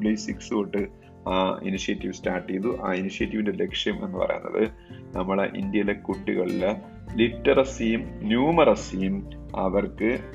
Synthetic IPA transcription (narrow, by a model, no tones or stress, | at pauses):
ɭisiksoʈːɨ | aːḭniɕijɐtːiʋstaːʈːijðuʔaːiniʂijɐtːiʋindele̞kʂjɐme̞̰nːɨpɐ̰rɐ̰jṵnːɐ̰ðɨ̰ | nɐmːɐɭḛʔḭnd̪jɐlekːuʈːiɣɐɭile | liʈːɐrɐsijumnjuːmɐrɐsijum | ɐʋɐrkɨ